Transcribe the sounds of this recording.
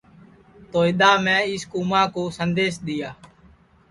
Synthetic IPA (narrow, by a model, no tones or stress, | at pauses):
t̪oːɪɗ̪aːmɛ̃ːɪskuːmãːkoːsənd̪eːsɗ̪ɪjaː